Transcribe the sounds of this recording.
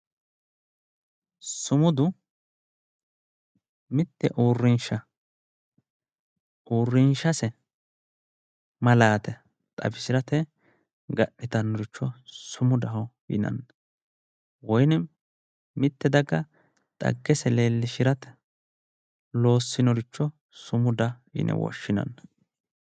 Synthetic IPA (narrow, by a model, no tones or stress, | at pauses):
sʊmʊd̪ʊ | mɪt̪ːɛ̰ʔuːrːɪnʃɐ | uːrːɪnʃɐsɛ | mɐlaːt̪ɛ | t̪ʼɐ̰bɪʃɪɾɐt̪ɛ | ɡɐʔːɪt̪ɐnːɔɾɪt͡ʃːɔsʊmʊd̪ɐɦɔjɪ̰nɐ̰nːɐ | wɔjnɛ | mɪt̪ːɛd̪ɐɡːɐ | t̪ʼɐ̰ɡːɛsɛleːlːɪʃɪɾɐt̪ɛ̥ | lo̞ːsːɪnɔɾɪt͡ʃːɔ | sʊmʊd̪ɐjɪ̰nɛ̰wɔ̰ʃːɪnɐ̰nːɐ